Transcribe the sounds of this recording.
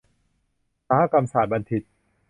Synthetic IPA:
saː˧ha˦˥˩ka˧msaː˨˩t̪̚ba˧nt̪ʰi˨˩t̪̚

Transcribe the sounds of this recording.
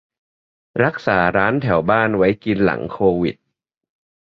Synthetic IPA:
ɾa˦˥k̚saː˩˦ɾaː˦˥nt̪ʰɛ˩˦wbaː˥˩nwa˦˥jki˧nla̰˩˦ŋkʰoː˧wi˨˩t̪̚

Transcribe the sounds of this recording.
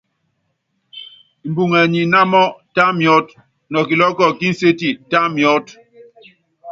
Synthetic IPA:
m̩˨bu˨ŋɛ˨ɲi˨na˦mɔ˦ta˦mjɔ˦t | nɔ˨ki˨lɔ˦kɔ˦˨ki˦n̩˦se˦ti˦ta˦mjɔ˦t

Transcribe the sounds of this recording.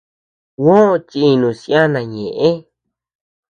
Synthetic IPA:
wõ˦˧t͡ʃiː˧nũ˨si˧˦a˦nã˧ɲẽ˨ʔẽ˦

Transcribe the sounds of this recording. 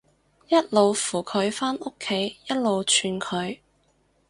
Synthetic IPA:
jɐ˥t̚lo˨wfuː˨˩kʰɵ˨˧ɥfaː˥no˥kʰːe˨˧˥jjɐ˥t̚lo˨wt͡ʃʰyː˧nkʰɵ˨˧ɥ

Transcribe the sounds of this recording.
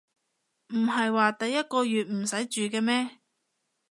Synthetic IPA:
m̩˨˩ɦɐ˨jwaː˨t̪ɐ˨jːɐ˥t̚kɔː˧jyː˨t̚m̩˨˩sɐ˨˥jt͡ʃyː˨kɛː˧mɛː˥

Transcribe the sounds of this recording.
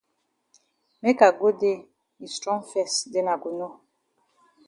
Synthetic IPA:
mɛ˦ka˨ɡo˦de˦˨ | i˨stɾɔ̃˦fɛ˦˨sde˦na˨ɡu˨no˦

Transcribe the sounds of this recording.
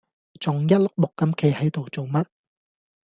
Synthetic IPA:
t͡sʊ˨˩ŋjɐ˥t̚lʊ˥k̚lʊ˨kːɐ˨˥mkʰe˨˧jhɐ˨˥jt̪o˨wt͡so˨wmɐ˥t̚

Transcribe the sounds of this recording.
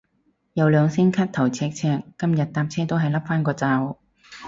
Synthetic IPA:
jɐ˨˧wlœː˨˧ŋsɪ˥ŋkʰaː˥t̚t̪ʰɐ˨˩wt͡sʰɛː˧k̚t͡sʰɛː˧kːɐ˥mjɐ˨t̚t̪aː˧p̚t͡sʰɛː˥t̪o˥wɦɐ˨jlɐ˥p̚faː˥nkɔː˧t͡saː˧w

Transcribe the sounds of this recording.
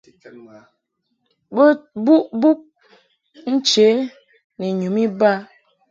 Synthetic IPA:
bo˦bu˦ʔbu˦k̚ | n̩˦t͡ʃe˨˦ | ni˨ɲu˨˦mi˦ba˦

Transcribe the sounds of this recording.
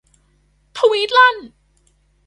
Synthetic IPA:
t̪ʰə˧wiː˦˥t̪̚la˥˩n

